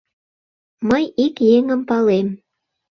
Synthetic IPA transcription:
məjikjeŋəmpɑlem

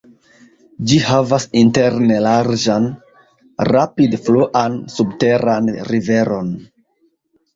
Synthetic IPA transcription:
d͡ʒihavasinte̞ɾnelaɾd͡ʒan | ɾapidfloʔansubte̞ɾanɾive̞ɾo̞n

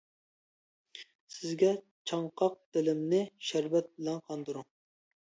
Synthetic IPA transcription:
sɪzɡʲɛ | t͡ʃʰɑŋqʰɑq̚d̪̥ɪlɪmnɪʃæɾvɛt̪̚bɪlɛnqʰɑnd̪ɨɾuŋ

